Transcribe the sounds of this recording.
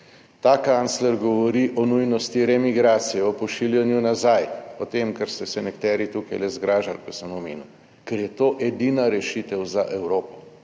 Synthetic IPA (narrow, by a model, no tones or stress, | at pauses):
t̪aːkant̪slɛɾɡɔʋɔɾiʔɔnujnɔst̪iɾɛmiɡɾaːt̪sijɛɔpɔʃiljanjunazajɔt̪emkɛɾst̪ɛsɛnɛkt̪ɛːɾit̪ukajlɛzɡɾaːʒalkɔsəmɔmeːnu | kɛɾjɛt̪oːʔɛd̪iːnaɾɛʃit̪ɛwzaʔɛwɾoːpɔ̥